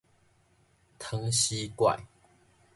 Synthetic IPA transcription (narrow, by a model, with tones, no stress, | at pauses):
t̪ʰə˦ŋɕi˦kwa̰˨j